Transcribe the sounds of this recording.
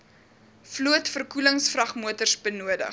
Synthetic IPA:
fluətfərkuləŋsfrɐχmuətərsbənuədə̰χ

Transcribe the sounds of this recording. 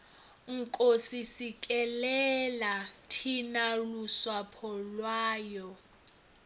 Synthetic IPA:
ŋ̩kʼosisikʼɛlɛlatʰinaluswapʰɔlwaːjɔ

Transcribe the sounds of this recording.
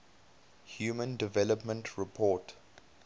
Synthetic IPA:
hjuːmə̃ndɪvɛləpmə̃ntʰɹɪpʰɔːt

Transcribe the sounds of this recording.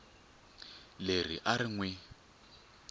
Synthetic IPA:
ler̤ḭʔaɾiŋwɛ

